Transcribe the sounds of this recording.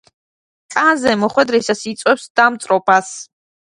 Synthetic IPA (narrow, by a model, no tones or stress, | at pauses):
kʼanzɛmɔχwɛd̪ɾisasit̪sʼwɛpsd̪̥amt̪sʼɾɔpʰas